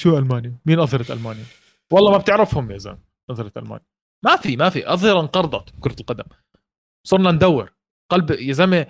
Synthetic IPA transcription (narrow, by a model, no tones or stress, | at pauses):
ʃuːʔalmaːnjamiːnʔɑðˤhɑɾˤɑt̪ʔa̰lmaːnja | wɑlˤːɑːmab̚t̪ɪʕɾɪfhʊmjaza̰ːm | ʔɑðˤhɑɾˤɑt̪ʔa̰lma̰ːnja | mafimafḭʔɑðˤhɑɾˤʔɑnqɑɾˤd̪ˤɑt̪bkʊɾˤɑt̪lqɑd̪am | sˤʊɾˤnand̪awːɪɾ | qɑlbjazami